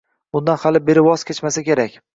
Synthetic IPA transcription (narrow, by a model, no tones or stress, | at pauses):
ʊnd̪anhalɪbe̞ɾɪwɒz̥kʲet͡ʃmasakʲe̞ɾakʲ